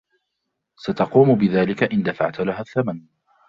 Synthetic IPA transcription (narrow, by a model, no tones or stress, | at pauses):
sat̪ɑquːmʊbɪðaːlɪkaʔɪnd̪afa̰ʕt̪laɦaːθːaman